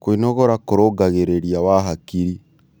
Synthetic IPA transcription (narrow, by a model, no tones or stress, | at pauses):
koinɔɣɔɾakoɾoɡaɣeɾeɾiawaɦakiɾi